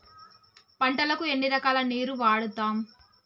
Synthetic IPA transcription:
pɐɳʈɐlɐkue̞nːiɾɐkaːlɐneːɾuʋaːɽut̪aːm

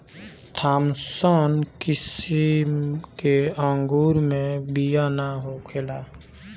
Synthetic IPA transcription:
t̪ʰaːmsənkɪsikeə̃ŋɡuːɾmẽbijanaɦokʰelaː

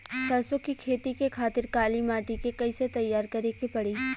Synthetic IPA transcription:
sɐɾsokikʰeːt̪ikekʰaːt̪ɪɾkaːlimaːʈikekɐiset̪ɐjːaːɾkɐɾekepɐɽiː

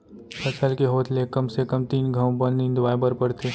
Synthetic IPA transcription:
pɐsəlkeɦoːt̪ʰlekɐmsekɐmt̪iːnɡʱɐ̃w̃bənĩnd̪ʋaːjbəɾpəɾt̪ʰeː

